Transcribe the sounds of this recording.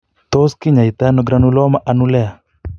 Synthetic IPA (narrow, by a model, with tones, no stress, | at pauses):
t̪o˦ski˦ɲa˨i˨t̪a˦nɔɡɾa˦nu˦lɔ˦ma˦ʔa˨nu˦lɛ˦a˨